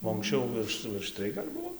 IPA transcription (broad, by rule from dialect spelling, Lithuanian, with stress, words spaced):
oː ɐŋksʲˈt͡ʃʲɛʊ ˈʋʲɪrʃ ʋʲɪrʃ ˈtʲrʲɪj ɡɐlʲ ˈbʊʋoː